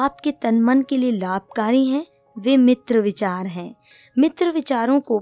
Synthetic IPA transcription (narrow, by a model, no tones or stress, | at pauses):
aːp̚ket̪ɐnmənkelielaːb̚kaːɾiɦɛ̃ | ʋeːmɪt̪ɾəʋɪt͡ʃaːɾɦɛ̃ː | mɪt̪ɾəʋɪt͡ʃaːɾõko